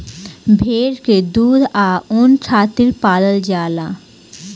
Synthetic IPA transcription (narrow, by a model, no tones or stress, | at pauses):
bʱeɾked̪ud̪ʱaont͡ɕʰat̪iɾpad̪əld͡ʑala